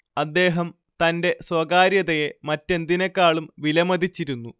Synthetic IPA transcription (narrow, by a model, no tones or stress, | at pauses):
ɐd̪ːe̞ːɦɐm | t̪ɐnde̞swɐɡaːɾjɐðɐjemɐtːe̞nd̪inɐkːaːɭumʋilɐmɐd̪ʱit͡ɕːiɾunːu